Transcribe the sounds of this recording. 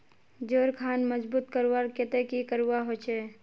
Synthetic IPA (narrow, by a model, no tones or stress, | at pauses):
d͡ʒoːɾkʰanməd͡ʒbuːt̪kəɾwaɾket̪ekikəɾuwaɦot͡ʃʰe